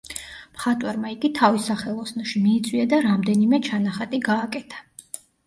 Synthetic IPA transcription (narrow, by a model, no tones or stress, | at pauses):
mχat̪ʼwɛɾmaiɡit̪ʰavisaχɛlˠɔsnɔʃimiːt̪sʼwiad̪aɾamd̪ɛnimɛt͡ʃʰanaχat̪ʼiɡaːkʼɛt̪ʰḁ